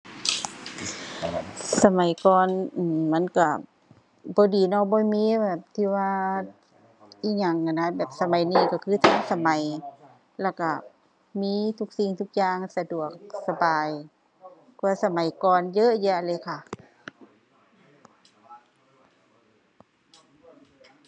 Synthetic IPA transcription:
sa˧ma˨˦jkɔː˨nʔɯː˨˩mma˧˥˨nka˧˩ | bɔː˧˦diː˨˦nɔ˧˩bɔː˧˦miː˧˥bɛː˨˩p̚t̪ʰiː˧˩waː˧ | ʔiː˧˩ɲa˧˩ŋkʰa˧˩na˧˥bɛː˨˩p̚sa˧ma˨˦jniː˧˩ka˧˩kʰɯː˧t̪ʰa˧˥ŋsa˧ma˨˦j | lɛ˧˩ka˧˩ | miː˧˥t̪ʰu˧˩k̚si˧˩ŋt̪ʰu˧˩k̚jaː˧ŋsa˧du˨˩ək̚sa˧baː˨˩j | ku˧sa˧ma˨˦jkɔː˨njɤ˧˥˨ʔja˧a˧lɤː˧˦jkʰa˧˩

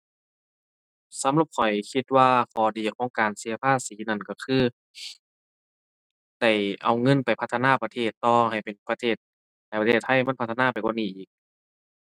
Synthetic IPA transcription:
sa˨˧˦mlu˧˩p̚kʰɔ˨˩jkʰi˧t̪̚waː˧kʰɔː˨˩diː˨˩kʰɔː˨˧˦ŋkaː˨˩nsi˨˦ɐ˧pʰaː˧˥˨siː˨˦na˧˩˨nkɔ˧˩kʰɯː˧˥˨ | da˧˩jʔa˨˩wŋɤ˧˥˨npa˨jpʰa˧t̪ʰːa˧naː˧˥˨pa˧t̪ʰeː˧˩t̪ːɔː˧˩ɦa˨˩jpe˨npa˧t̪ʰeː˧˩t̪̚ | ha˨˩jpa˧eː˧˩t̪̚ʰːa˧˥˩jma˧˥˨pʰa˧t̪ʰːa˧naː˧˥˩pa˨˩jkwaː˧˥˨niː˧˩ʔiː˨˩k̚

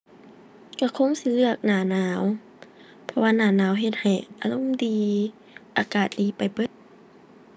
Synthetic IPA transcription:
ka˧˩kʰo˧˥˨ŋsi˧˦lɯ˧ək̚naː˧˩naː˧˦w | pʰɔ˧waː˧naː˧˩naː˧˦˨wɦe˧t̪̚ha˨˩jʔa˧lo˧˥˨mdiː˧ | ʔaː˧˦kaː˨˩t̪̚liː˨˦pa˨˩jpɤ˧˦t̪̚

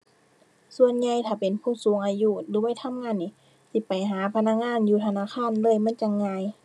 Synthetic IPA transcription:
su˧ənɲa˧jt̪ʰaː˧˩pe˨npʰuː˧˥˩suː˨˦ŋʔaː˧juː˧˩lɯː˨˦wa˧˥˨t̪ʰa˧˥˨mŋaː˧˥˨nːi˧˩˦ | sʰi˧˩pa˨jɦaː˨˦pʰa˧na˧˥˨k̚ŋaː˧˥˨njuː˧˩t̪ʰa˧naː˧˥˨kʰaː˧˥˨nlɤː˧˥˩jma˧˥˨nt͡ɕa˧˨ŋːaː˧j

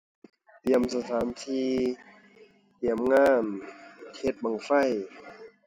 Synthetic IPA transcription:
t̪i˧˩əmsa˧t̪ʰaː˩˦nt̪ʰiː˧ | t̪i˧˩əmŋaː˧˥˩nkʰe˧˥t̪̚ma˧˩ŋfa˧˩˨j

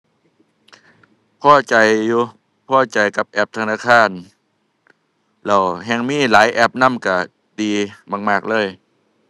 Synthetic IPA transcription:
pʰɔː˧˩˨t͡ɕa˨jːuː˧ | pʰɔː˧˥˩t͡ɕa˨˩jka˧˦p̚ʔɛ˧˩p̚t̪ʰa˧naː˧˥˨kʰaː˧˥˨n | lɛ˧˩wɦɛː˧˩ŋmiː˧˥˨laː˨˦jʔɛ˧˩p̚na˧˥˨mka˧˩ | diː˧baː˧ŋmaː˧˩k̚lɤː˧˥˨j

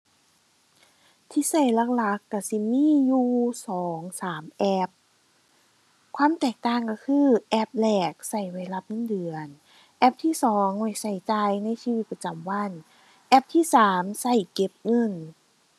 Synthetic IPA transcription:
t̪ʰiː˧˥˩sa˧˩jla˧˩k̚la˧˦kːa˧˩si˧˦miː˧˥˨juː˧sɔː˩˦ŋsaː˩˦mʔɛ˧˥p̚ | kʰwaː˧˥˨mt̪ɛː˨˩k̚t̪aː˧˩ŋka˧˩kʰɯː˧˥˩ʔɛ˧˥p̚lɛː˨˩k̚sa˧˩jwa˧˩jla˧˩p̚ŋɤ˧˥˨ndɯ˨˩ən | ʔɛ˧˥p̚t̪ʰiː˧˥˨sɔː˨˦ŋwa˧˩jsa˧˩jt͡ɕaː˧jna˧˥˨jsiː˧wi˧t̪̚pa˧t͡ɕa˨˩mwa˧˥˨n | ʔɛ˧˥p̚t̪ʰiː˧˥˨saː˩˦msa˧˩jke˧˥p̚ŋɤ˧˥˨n

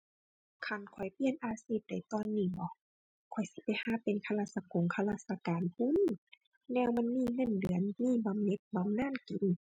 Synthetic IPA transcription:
kʰa˧˩nkʰɔ˨˩jpi˧˨ənʔaː˧siː˧˩p̚da˨˩˦jt̪ɔː˧˥nːiː˧˩˨bɔ˧˦ | kʰɔ˨˩jsi˧˦pa˨˦jhaː˧˥˦pe˨nkʰa˧laː˧t̪̚sa˧ko˨˦ŋkʰa˧laː˧˩sa˧kaː˨npʰu˧˥˨n | nɛː˧˨wma˧˥˨nmiː˧˥˨ŋɤ˧˥˨ndɯ˨˦ənmiː˧˩˨ba˨˦mne˧˦p̚ba˨˦mnaː˧˥˨nki˨˦n

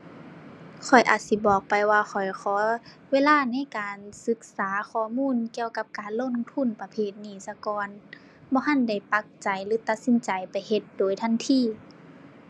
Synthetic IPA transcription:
kʰɔ˨˩jʔa̰ː˨˩t̪̚si˧˦bɔː˨˩k̚pa˨jwaː˧xʰɔ˨˩jxʰɔː˨˦weː˧˥˨laː˧˥˨na˧˥˨jkaː˨nsɯ˧˦k̚saː˨˦xʰɔː˧˩muː˧˥˨nki˧əwka˧p̚kaː˨nlo˧˥˨ŋt̪ʰu˧˥˨npa˧pʰeː˧˩t̪̚niː˧˩sa˧kɔː˨˧˦n | bɔː˧˦ɦa˧˥˨nda˧˩jpa˧k̚t͡ɕa˨jlɯː˨˦t̪a˧t̪̚si˧˦nt͡ɕa˨jpa˨jhe˧t̪̚doː˨˩jt̪ʰa˧˥˨nt̪ʰiː˧˩

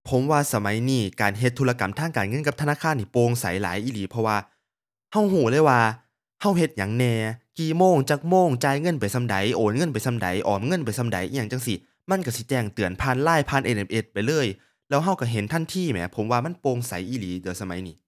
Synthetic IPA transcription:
pʰo˨˦mwaː˧sa˧ma˨˦jniː˧˩kaː˨˩nɦe˧t̪ʰːu˧la˧ka˨˩˦mt̪ʰaː˧˥˩ŋkaː˨˩nŋɤ˧˨nka˧p̚t̪ʰnaː˧˥˨kʰaː˧˥˨nʰiː˧˩poː˧ŋsa˨˦jla̰ː˨˦jʔiː˧˨liː˨˦pʰɔ˧waː˧ | ha˧˥˩wɦuː˧˩lɤː˧˥˨jwaː˧ | ha˧˥˩wɦe˧t̪̚ɲa˨˩˦ŋnɛː˧˩kiː˨˩moː˧˥˨ŋt͡ɕaː˧˩k̚moː˧˥˨ŋt͡ɕaː˧jŋɤ˧˥˨npa˨˩jsa˧mda̰˨˦jʔoː˨˦nŋɤ˧˥˨npa˨˩jsa˧mda̰˨˦jʔɔː˨˩mŋɤ˧˥˨npa˨jsa˧mda̰˨˦jʔjaː˧˩ŋt͡ɕa˧˩ŋsi˧˩ | ma˧˥˨nka˧˩si˧˦t͡ɕɛː˧˩ŋt̪ɯ˨˩ənpʰaː˧˥˨nlaː˧˥˩jpʰaː˧˥˨nʔe˧˩nʔe˧˩pʔe˧˩t̪̚pa˨˩jlɤː˧˥˩j | lɛː˧˥wɦa˧˥˩wka˧˩ɦe˨˦nt̪ʰa˧˥˩nt̪ʰiː˧˩˨mɛ̰˨˧˦pʰo˨˩˦mwaː˧ma˧˥˨npoː˧ŋsa˨˦jʔiː˧˨liː˨˦dɯ˨˩ə˦sa˧ma̰˨˦jniː˧˦

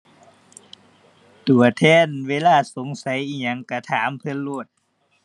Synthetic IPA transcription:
t̪u˨˩ɐt̪ʰɛː˧˩˨nweː˧˥˨laː˧˥˨so˨˦ŋsa˨˦jʔiː˧ɲa˧˦ŋka˧˩t̪ʰaː˩˦mpʰɯ˧˨nlu˧˩ət̪̚

